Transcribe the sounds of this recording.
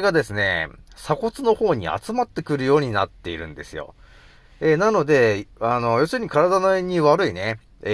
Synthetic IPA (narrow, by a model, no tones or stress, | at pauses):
ɡad̪e̞sɨne̞̰sako̞t͡sɨno̞ho̞ːɲ̟ḭa̰t͡sɨmat̪ːe̞kɯ̟ɾɯ̟jo̞ːɲ̟ina̰t̪ːe̞iɾɯ̟̃nd̪e̞sɨjo̞̰ | enano̞d̪e̞ano̞jo̞sɨɾɯ̟ɲ̟ikaɾad̪ano̞eɲ̟ːiβaɾɯ̟ine̞